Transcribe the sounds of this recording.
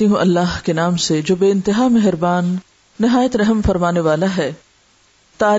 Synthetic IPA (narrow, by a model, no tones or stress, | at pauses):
iɦũʔɐlːaːɦkenaːmsed͡ʒoːbeːɪ̃nt̪ɪɦaːmɛɦɪɾbaːnː | ɪɦaːjət̪ɾɐɦəmfɐɾmaːneʋaːlaɦɛː | t̪aː